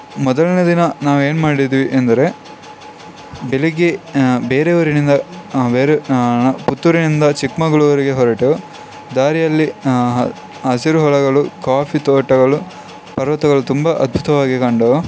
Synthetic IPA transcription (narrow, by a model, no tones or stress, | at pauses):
mɔd̪ɐɭnɐd̪inɐnaːʋueːnmaːɽid̪iʋiʔɐnd̪ɐɾe̞ | beliɡebe̞ːɾeʋɐɾinind̪ɐbeːɾeput̪ːuɾinind̪ɐt͡ʃikmɐɡɐɭuʋɐɾiɡe̞ɦɔɾɐʈe | d̪aːɾijɐlːiɦ | ɦɐsiɾuɦɔɭɐɡɐɭukaːpʰit̪ɔːʈɐɡɐɭu | pɐɾʋɐt̪ɐɡɐɭut̪umbɐʔɐd̪̚bʱut̪ɐʋaːɡikɐɳɖo